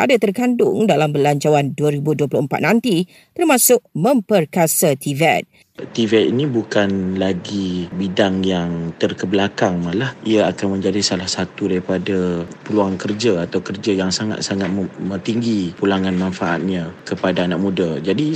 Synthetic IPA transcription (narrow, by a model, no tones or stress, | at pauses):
a̰dat̪ərkandʊŋdalambəlaɲt͡ʃawanduəɾibuduəplʊəmpa̰t̪̚nãnt̪i | t̪ərmãsʊʔ̚mə̃mpərkasat̪ivɛ̰t̪̚ | t̪ivɛt̪̚inibukanlaɡibidaŋjaŋt̪ərkəblakaŋmalahiaakanmə̃ɲd͡ʒadisalahsat̪udaɾipadapəluaŋkərd͡ʒaat̪awkərd͡ʒajaŋsaŋa̰t̪̚saŋat̪̚mə̃t̪iŋɡipulaŋãnmãnfaʔa̰t̪̚ɲãkəpadaanaʔ̚mũdad͡ʒadi